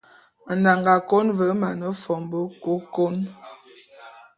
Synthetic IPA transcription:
nda˨ŋɡa˨ko˦nvə˨˦ma˨nə˦fɔ˨mbə˦ko˦ko˦n

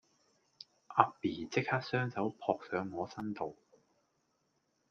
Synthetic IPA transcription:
ʔaː˧k̚piː˨˩t͡sɪ˥k̚haː˥t̚sœː˥ŋsɐ˨˥wpʰɔː˧k̚sœː˨˧ŋːɔː˨˧sɐ˥nt̪o˨w

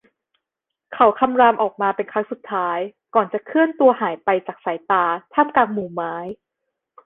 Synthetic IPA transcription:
kʰa˩˦wkʰa˧mɾaː˧mʔɔː˨˩k̚maː˧pe˧nkʰa˦˥ŋsu˨˩t̪ʰːaː˦˥jkɔː˨˩nt͡ɕa˨˩kʰɯ˥˩ənt̪u˧əhaː˩˦jpa˧jt͡ɕaː˨˩k̚sa˩˦jt̪aː˧t̪ʰaː˥˩mkaː˧ŋmuː˨˩maː˦˥j

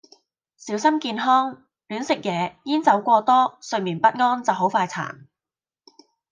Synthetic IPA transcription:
siː˨˥wsɐ˥mkiː˧nɦɔː˥ŋ | lyː˨˥nsɪ˨k̚jɛː˨˧jiː˥nt͡sɐ˨˥wkʷɔː˧t̪ɔː˥sɵ˧miː˨˩npɐ˥t̚ŋɔː˥nt͡sɐ˨wɦo˨˥wfaː˧jt͡sʰa̰ː˨˩n

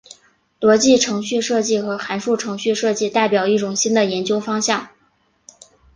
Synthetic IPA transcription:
t̪wɔ˧˥t͡ɕi˥˩ʈ͡ʂʰɤ˧˥ŋɕy˥˧ʂɤ˥˧t͡ɕi˥˩xɤ˧˥xa˧˥nʂu˥˩ʈ͡ʂʰɤ˧˥ŋɕy˥˧ʂɤ˥˧t͡ɕi˥˧t̪a˥˩ɪpjɑ˨˩ʊi˥˩ʈ͡ʂʊ˨˩ŋɕi˥nd̪ə˨jɛ˧˥nt͡ɕjo˥ʊfɑ˥ŋɕjɑ˥˩ŋ

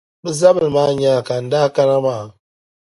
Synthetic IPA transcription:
bə˦za˦bə˨lma˦˨ɲ˦a˦˨ka˨n̩˦da˦ka˦ɾa˦ma˦˨

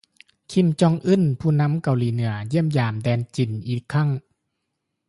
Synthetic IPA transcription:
kʰi˧˩mt͡ɕɔ˧˨ŋʔɯ˧˥˨npʰuː˧˩na˧˥˨mka˨˧˩wliː˧˦nɯ˨˩˦ɐji˥˩əmjaː˨˩mdɛː˧nt͡ɕi˨˩nʔiː˨˩kʰːa˥˩˨ŋ

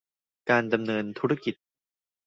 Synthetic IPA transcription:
kaː˧nda˧mnɤː˧nt̪ʰu˦˥ɾa˥ki˨˩t̪̚

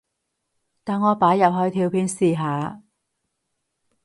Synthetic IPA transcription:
t̪aː˨˩nŋɔː˨˧paː˨˥jɐ˨p̚hɔː˧˥jt̪ʰiː˧wpʰiː˧nsiː˨ɦaː˨˧

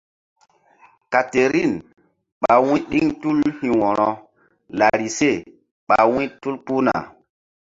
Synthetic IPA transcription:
ka˨te˨ɾi˦˨n | ɓa˨wĩ˦ɗi˦ŋtu˦lhĩ˨wɔ˨ɾɔ˨ | la˨ɾi˨se˦˨ | ɓa˨wĩ˦tu˦lpu˦na̰˨

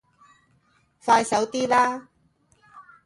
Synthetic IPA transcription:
faː˧jsɐ˨˥wt̪iː˥laː˥

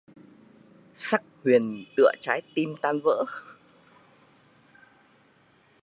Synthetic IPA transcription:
sa˦˥k̚hwi˨˩ənt̪ɨ̰˧˨ət͡ɕaː˨˦jt̪i˧mt̪aː˧nvə̰ː˧˥

